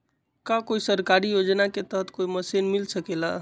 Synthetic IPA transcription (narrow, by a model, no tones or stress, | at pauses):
kakoisəɾkaɾijod͡ʒnaket̪əɦət̪koiməsenmilsəkela